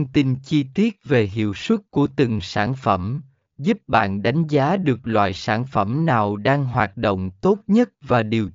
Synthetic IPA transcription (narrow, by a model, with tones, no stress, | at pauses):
ŋ͡mt̪i˧nt͡ɕi˧t̪i˦˥ət̚ve˨˩ɦḭ˧˨əwswə˦˥t̚ku˧˩ət̪ɨ˨˩ŋsaː˧˩nfə˧˩m | zu˦˥p̚ɓa̰ː˧˨nɗa˨˦jŋ̟zaː˨˦ɗɨ˨˩ək̚lwa̰ː˧˨jsaː˧˩nfə˧˩mnaː˨˩wɗaː˧ŋɦwaː˨˩t̚ɗo̰˧˨wŋ͡mt̪o˦˥t̚ɲə˦˥t̚vaː˨˩ɗi˨˩əw